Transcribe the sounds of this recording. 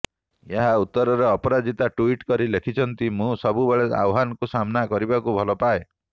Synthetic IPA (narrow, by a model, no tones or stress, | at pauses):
eɦaut̪ːɔɾɔɾeɔpɔɾad͡ʒit̪aʈuiʈkɔɾilekʰit͡ʃʰɔnt̪imũsɔbubeɭea̰wɦanɔkusamnakɔɾibakubʱɔlɔpae